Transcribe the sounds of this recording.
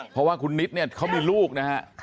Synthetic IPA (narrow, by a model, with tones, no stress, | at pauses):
pʰɔ˦waː˥˩kʰu˧nːi˦˥t̪̚ni˥˩ɐkʰa˦˥wmiː˧luː˥˩k̚na˦˥ha˦˥ʔ